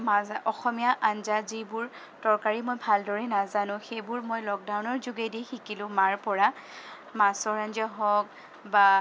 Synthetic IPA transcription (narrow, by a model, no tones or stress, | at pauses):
maɔxɔmijaʔanzazibʊɹ | tɔɹkaɹimojbʱaldɔɹɛnazanʊ̃xejbʊɹmojlɔk̚dawnɔɹzuɡedixikilʊ̃maɹpɔɹa | masɔɹand͡ʒɔɦɔk̚ | ba